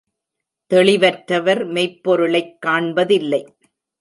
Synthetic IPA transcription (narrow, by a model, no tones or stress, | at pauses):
t̪ɛɭɪʋɐʈɾɐʋɐɾmɛɪpːɔɾɯɭɐɪkːaːɳbɐðɪlːɐɪ